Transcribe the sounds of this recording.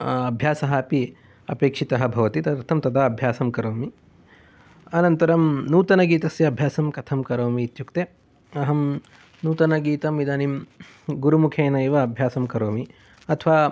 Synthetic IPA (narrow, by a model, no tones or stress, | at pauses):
ɐbʱjaːsɐɦɐːpi | ɐ̰peːkʂit̪ɐɦɐbʱɐʋɐt̪it̪ɐɐɾt̪ʰɐmt̪ɐd̪aːɐbʱjaːsɐmkɐɾoːmi | ɐnɐnt̪ɐɾɐmnuːt̪ɐnɐɡiːt̪ɐsjɐɐbʱjaːsɐmkɐt̪ʰɐmkɐɾoːmiːt̪jukt̪e | ɐɦɐm | nuːt̪ɐnɐɡiːt̪ɐmid̪aːnim | ɡuɾumukʰeːnɐeʋɐɐbʱjaːsɐmkɐɾoːmi | ɐt̪ʰʋaː